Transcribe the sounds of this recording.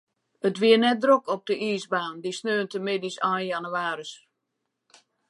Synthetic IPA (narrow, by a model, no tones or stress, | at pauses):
ətʋiənɛt̚drokɔp̚dəʔiːsbaːndisnøːntəmɪdisaːjanuaːɾəs